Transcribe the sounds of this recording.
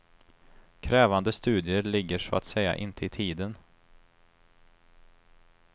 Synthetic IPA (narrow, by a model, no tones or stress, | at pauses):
kʰɾɛːvand̪əst̪ʉ̟ːd̪ɪəɭɪɡːəʂɔa̰t̪sɛjːa̰ʔɪnt̪ʰəɪt̪ʰiːd̪ən